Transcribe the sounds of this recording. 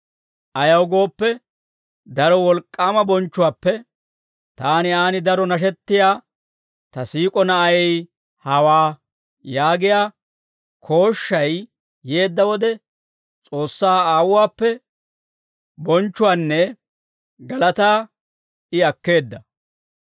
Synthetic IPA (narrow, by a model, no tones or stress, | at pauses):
ʔɐjɐwɡo̞ːpːɛ | d̪ɐɾɔwɔlkʼːaːmɐbɔnt͡ʃːʊwaːpːɛ | t̪aːnɪaːnɪd̪ɐɾɔnɐʃ̬ɛt̪ːɪjaː | t̪ɐsiːkʼɔnɐʔɐɛj | hɐwaː | jaːɡɪjaː | kʰo̞ːʃːɐjː | eːd̪ːɐwɔd̪ɛ | t͡sʼo̞ːsːaːaːwʊwaːpːɛ | bɔnt͡ʃːʊwaːnːɛ | ɡɐlɐt̪aː | ɪɐkːe̞ːd̪ːɐ